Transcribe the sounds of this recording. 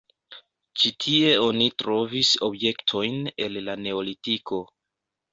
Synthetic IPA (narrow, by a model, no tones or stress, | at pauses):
t͡ʃitʰie̞o̞nitɾo̞viso̞bje̞ktʰo̞jne̞lːane̞olitikʰo̞